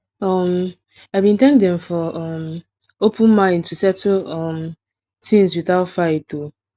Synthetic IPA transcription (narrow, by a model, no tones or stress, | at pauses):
ɔm | abĩntɛ̃ŋkdɛ̃mfɔɔm | opʰʊ̃nmãn̩tusɛtuɔm | tʰĩnswiθaʊtfaeto